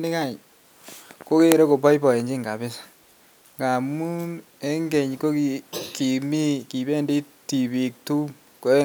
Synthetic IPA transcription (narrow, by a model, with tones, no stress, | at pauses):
nɪ˦ka˦˨ɲ | ko˦ke˦ɾo˦ko˨bɔ˦jpɔ˨je˨ɲd͡ʒi˦ŋɡa˨bɪ˦sḁ˨ | ŋɡa˨mu˦n | e˦ŋɡe˨ɲko˦ki˨ki˨mi˦ki˨be˦ndi˦ti˨bi˨k̚tu˦ | ko˦